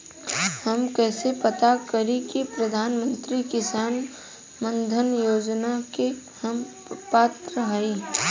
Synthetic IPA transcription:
hɐmkɛːsepɐt̪akɐɾikipɾɐd̪ʱaːnmə̃nt̪ɾikɪsaːn | mə̃nd̪ʱənjoːd͡ʒnakehɐm | paːt̪ɾəɦaiː

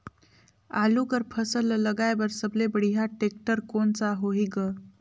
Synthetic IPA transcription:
alukəɾpʰəsəlləɡajbəɾsəblebəɽiɦaʈek̚ʈəɾkont͡saɦoɦiɡə

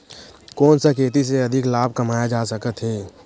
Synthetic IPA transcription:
kɔːnsakʰeːt̪is̬eɐd̪ʱɪklaːbʱkəmaːjad͡ʒaːsəkət̪ɦɛː

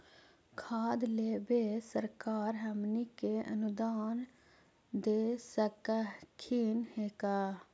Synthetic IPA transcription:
kʰaːd̪leːbesəɾkaːɾɦəmnikeʔə̰nʊd̪aːn | d̪eːsəkakʰinheːkaː

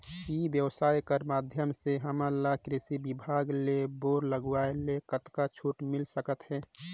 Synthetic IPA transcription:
ibjəwsaːjkəɾmaːd̪ʱjəmseɦəməlakɾɪsibibʱaːɡleboːɾləɡʋaelekət̪kat͡ʃʰuːʈmɪlsəkət̪ɦɛː

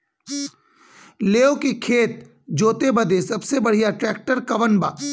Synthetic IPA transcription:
leːokikʰeːt̪̚ | d͡ʒoːt̪ebɐd̪esɐbsebɐɽ̤ijaʈɾɛːk̚ʈəɾkɐʋənba̰ː

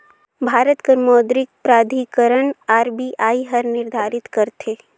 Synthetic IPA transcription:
bʱaːɾət̪kəɾmɔːd̪ɾɪk̚pɾaːd̪ʱikəɾəɳaːɾbiʔaːiɦɐɾnɪɾd̪ʱaːɾɪt̪kɐɾt̪ʰeː

